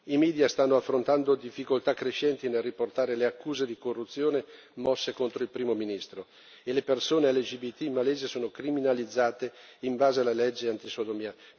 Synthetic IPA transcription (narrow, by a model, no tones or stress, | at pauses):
imiːd̪jast̪anːoafːɾont̪and̪od̪ifːikolt̪akːɾeʃɛnt̪inelːiport̪aːɾeleakːuːzed̪ikorːut̪sːjoːne | mɔsːekont̪ɾoilpɾiːmominist̪ɾo | elepersoːnealːed͡ʒibit̪ːimmaleːzesoːnokɾiminalid̪zːaːt̪eiɱbaːzealalɛd͡ʒːeant̪isod̪omia